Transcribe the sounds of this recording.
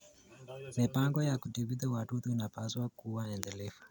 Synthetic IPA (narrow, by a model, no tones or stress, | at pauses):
mipaŋɡɔjakutiviðawatutuinapaswakuwaɛndɛlɛfu̥